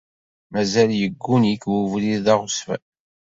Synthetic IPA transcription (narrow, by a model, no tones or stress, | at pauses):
mæzæljəɡːunikwuvliðɑʁʊsfæ̰